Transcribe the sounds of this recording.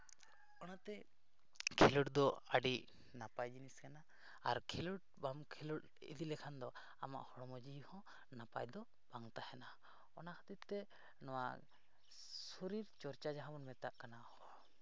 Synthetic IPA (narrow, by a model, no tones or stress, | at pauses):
ɔnat̪ɛ | kʰɛluʈd̪ɔaɖiʔ | napajd͡ʒiniskana | aɾkʰɛluʈ̚bamkʰɛluʈ | ḭd̪ilɛkʰand̪ɔ | a̰ma̰ʔhɔɽmɔd͡ʒihɔ̃ | napa̰jd̪ɔ | b̥aŋt̪ahɛna | ɔnakḁt̪it̪t̪ɛ | nɔwa̰ | suɾiɾt͡ʃɔɾt͡ʃad͡ʒaɦãmɔnmɛt̪aʔkanahɔ